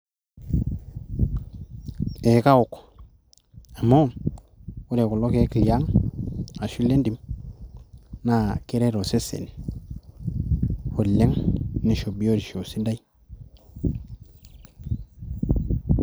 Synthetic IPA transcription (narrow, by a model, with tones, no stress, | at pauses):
e˨ka˦u˨k | a˨mːo˦˨m | u˦ɾe˨ku˨lo˦ke˦ki˨lja˦ŋ | a˨ʃu˦lːe˦ndi˨m | na˦˨ke˦ɾe˦ɾo˨se˦sḛ˨n˨ | ho˨lːe˦ŋni˦ʃo˨bi˦jo˦di˨ʃo˨si˦nda˦i˦